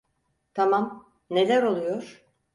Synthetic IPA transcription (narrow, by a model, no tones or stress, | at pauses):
t̪ʰamam | ne̞lʲæɾo̞lˠujoɾ̥